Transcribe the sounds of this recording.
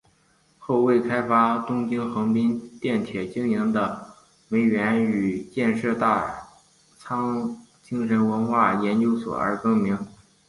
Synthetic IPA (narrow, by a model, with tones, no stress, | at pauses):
xo˥˧ʊwe˥˩ɪkʰa˥ɪfa˥t̪ʊ˥ŋt͡ɕi˥ŋxɤ˧˥ŋpi˥nt̪jɛ˥˩nt̪ʰjɛ˨˩t͡ɕi˥ŋi˧˥ŋd̪ə˧ | me˧˥ɪɥɛ˧˥ny˨˩t͡ɕjɛ˥˧nʂɤ˥˧t̪a˥˩ | t͡sʰɑ˥ŋ | t͡ɕi˥ŋʂə˧˥nwə˧˥nxwa˥˩jɛ˧˥nt͡ɕjo˥ʊswɔ̰˨˩ə̰˞˧˥kɤ˥˩ŋmi˧˥ŋ